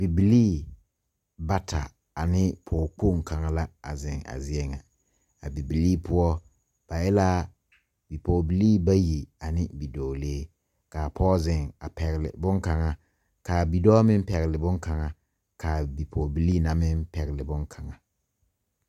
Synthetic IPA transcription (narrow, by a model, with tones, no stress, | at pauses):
b̥i˨bi˨liː˦ | ba˦tʰa̰˨ | a˨nɪ˦pʰɔː˨k͡po˦˨ŋ˨ka˨ŋa˨la˦a̰˨zɪ˨ŋa̰˨zɪ˦ɛ˦ŋa˨ | a˨bi˨bi˨liː˦pʰʊ˦ɔ˦ | b̥a˨ɛ˦laː˦ | bi˨pɔː˨bi˨liː˦ba˦ji˨a˨nɪ˦bi˨dɔː˨leː˦ | ka˨pʰɔː˦zɪ˨ŋa˨pɛ˨ɣɪ˨lɪ̰˨bʊ˦ŋka˨ŋa˨ | ka˨bi˨dɔː˦mɪ˦m˦pɛ˨ɣɪ˨lɪ˨bʊ˦ŋka˨ŋa˨ | ka˨bi˨pʰɔ˨bi˨liː˦na˨mɪ˦npɛ˨ɣɪ˨lɪ˨bʊ˦ŋkʰa˨ŋa˨